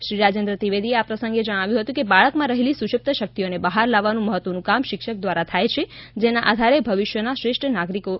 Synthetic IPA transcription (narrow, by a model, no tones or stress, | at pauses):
ʃɾiɾad͡ʒẽnd̪ɾət̪iʋed̪ieapɾəsə̃ŋɡed͡ʒəɽ̃aʋjũɦət̪ũkebaɭəkmãɾəɦelisuʃəp̚t̪ʰəʃək̚t̪ionebəɦaɾlaʋːanũməɦət̪ʋənũkamʃɪkʃək̚d̪ʋaɾat̪ʰajt͡ʃʰed͡ʒenaʔad̪ʱaɾebʱəʋiʃjənaʃɾeʃʈʰənaɡɾiko